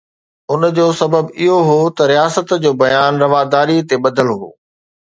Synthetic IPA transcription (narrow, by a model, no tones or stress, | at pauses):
ʊnd͡ʑoːsɐbəbɪɦoɦoːt̪ɐɾijaːsət̪d͡ʑoːbɐjaːnɾɐʋaːd̪aːɾit̪eɓɐd̪əlɦo̰ː